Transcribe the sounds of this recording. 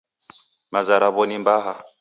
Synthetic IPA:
mazaɾaβɔnimbaɦa

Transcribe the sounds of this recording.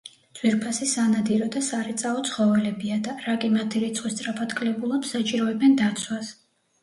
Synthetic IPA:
d̪z̥ʼwiɾpʰasisanad̪iɾɔd̪asaɾɛt̪sʼaɔt̪sʰχɔvɛlɛbiad̪aɾakʼimat̪ʰiɾit̪sʼχʼwist̪ʼɾapʰad̪kʰʼlɛbulˠɔpsat͡ʃʼiɾɔɛbɛnd̪at̪sʰwas

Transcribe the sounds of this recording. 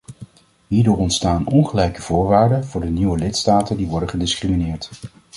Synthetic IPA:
ɦiːɹdʊːɹɔntstaːnɔnχəlɛjkəv̥ʊːɹʋaːɹdəvʊːɹdəniwəlɪtstaːtəndiʋɔɹdəχədɪskriminɪːɹt

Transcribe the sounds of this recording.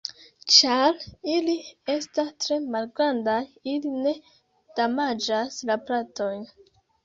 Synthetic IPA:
t͡ʃaɾilie̞stastɾe̞malɡɾandajiline̞ | d̥amad͡ʒaslaplato̞jn

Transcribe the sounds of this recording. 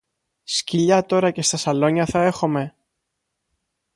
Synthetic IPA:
sciʎɐt̪o̞ɾɐce̞st̪ɐsɐlo̞ɲɐθɐe̞xome̞

